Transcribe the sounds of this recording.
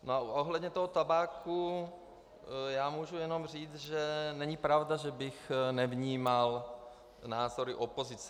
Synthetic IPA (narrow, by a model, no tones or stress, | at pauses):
noaʔoɦlɛdɲɛt̪oɦot̪abaːkʰu | jaːmuːʒujɛnomr̝iːt͡sʒɛnɛɲɪpɾavdaʒɛbɪxnɛvɲiːmal | naːzoɾɪʔopozɪt͡s